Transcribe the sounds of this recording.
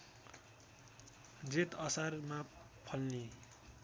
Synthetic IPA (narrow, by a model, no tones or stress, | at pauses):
d͡zet̪ʌsarma | pʰʌlni